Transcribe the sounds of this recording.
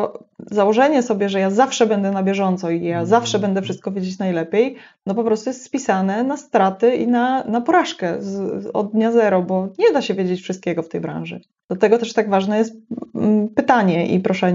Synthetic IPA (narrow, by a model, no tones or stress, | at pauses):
ɔzawɔʐɛɲɛsɔbʲjɛʐɛjazafʂɛbɛnd̪ɛnabʲjɛʐɔnt̪sɔijazafʂɛbɛnd̪ɛfʂɘst̪̚kɔvʲjed͡ʑet͡ɕnajlɛpʲjejnɔp̬ɔpɾɔst̪ujɛst̪spʲisanɛnast̪ɾat̪ɘinanapɔɾaʂkɛzɔ̰d̪̚d̪ɲazɛɾɔbɔɲɛd̪aɕɛvʲjed͡ʑet͡ɕfʂɨst̪kʲɛɡɔft̪ɛjbɾã̰wʐɘ̰ | d̪̥lat̪ɛɡɔt̪ɛʂt̪aɡvaʐnɛjɛst̪̚ | pɘt̪aɲɛʔḭpɾɔʂɛɲɛ